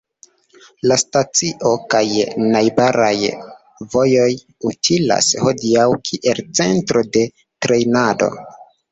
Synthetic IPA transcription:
lastat͡siʔo̞kajnajbaɾaj | vo̞jo̞j | utʰila̰sho̞diawkʰiʔe̞lt͡se̞ntɾo̞de̞ | tɾe̞jnado̞̰

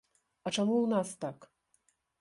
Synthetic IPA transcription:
at͡ʃamuunast̪ak

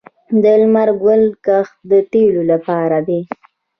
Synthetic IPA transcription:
d̪əlmaɾɡwəlkaxd̪ət̪elolapɑɾad̪e

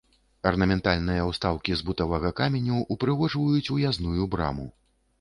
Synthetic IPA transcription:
ɐrnɐmʲɛnt̪alʲnɨjɐwst̪awkʲizbut̪ɐvɐɣɐkamʲɛnʲuʔupɾɨɣɔʐvɐjut͡sʲujaznujubɾa̰mu

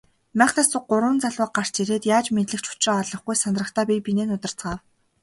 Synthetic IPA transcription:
mæːχnaːsʊɢʊɾw̆ə̆nt͡saɮwə̆ːq̚ɢar̥t͡ɕiɾeːt̪jaːt͡ɕmeɮɘ̆kt͡ɕʰʊ̥t͡ɕreːɔɮɞ̆χɡujsanrə̆χt̪ʰaːpʲipineːnʊt̪ə̆r̥t͡sɢaːw

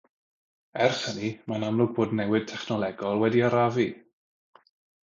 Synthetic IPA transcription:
ɛrχənimanamlˠʊɡ̚boːdnɛwɪd̥̚tʰɛχnɔlˠɛɡɔlˠwɛdiaɾavi

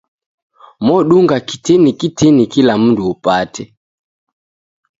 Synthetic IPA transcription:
mɔɗuŋɡaki̥tɛnikitʰɛnikilam̩nduɔpatɛ

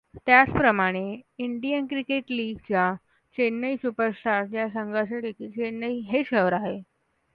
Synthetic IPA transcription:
t̪jat͡spɾəmaɽ̃eiɳɖijənkɾikeʈliːɡt͡ɕja | t͡ɕenːəjsupəɾsʈʰaɾʈ̚d͡ʑjasəŋɡəsaʈikit͡ɕenːəiɦeɕəʋɾaɦe

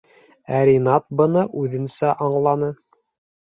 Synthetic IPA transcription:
æɾʲinɑt̪̚bɤ̆nɤʔʉðɘ̆nsæʔɑɴlˠɑnɤ

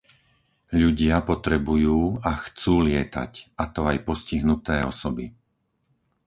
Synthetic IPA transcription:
ʎuɟɪapɔt̪ɾɛbujuːaxt͡suːlɪɛt̪a̰cat̪ɔajpɔsciɦnut̪ɛːɔsɔbi

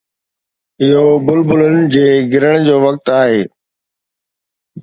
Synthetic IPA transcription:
ɪɦobʊlbʊlənɪ̆d͡ʑeːɡɪɾəɽ̃d͡ʑoːʋɐk̚t̪aːɦeː

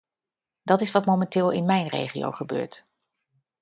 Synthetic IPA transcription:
d̥ɑtɪsʋɑtmowmɛntɪːlˠɪnmɛjnrḛjχḭo̰wχəbø̰ːɹt

